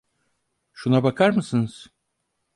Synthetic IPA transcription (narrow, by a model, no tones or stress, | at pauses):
ʃunabakʰaɾmɯsɯnɯz̥